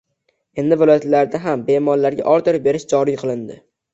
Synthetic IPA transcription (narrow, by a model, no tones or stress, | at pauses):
e̞nd̪ɪvɪlˠɒjat̪laɾd̪aɦambe̞mɒɾlaɾɡʲa̰ʔɒɾt̪ʰɪɾɪbe̞ɾɪʃd͡ʒɒɾijqʰɨlˠɪnd̪ɪ̰